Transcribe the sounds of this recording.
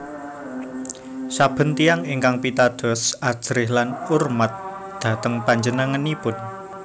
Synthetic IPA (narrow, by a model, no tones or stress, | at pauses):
sab̥ə̤nt̪iaŋeŋkaŋpit̪ad̪̥ɔ̤sad̥ʒ̥ɾɪhlanurmat̪̚ | d̪̥ä̤t̪əŋpaɲd͡ʒənəŋənipʊn